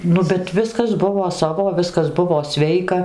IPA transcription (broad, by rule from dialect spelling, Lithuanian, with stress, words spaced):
ˈnʊ bʲɛt ˈʋʲɪskɐs ˈbʊʋoː ˈsɑːʋoː ˈʋʲɪskɐs ˈbʊʋoː ˈsʲʋʲɛɪkɐ